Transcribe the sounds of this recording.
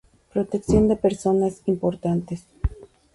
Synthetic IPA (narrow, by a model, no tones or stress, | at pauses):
pɾo̞t̪e̞ksjo̞nd̪e̞peɾso̞nasimpo̞ɾt̪ant̪es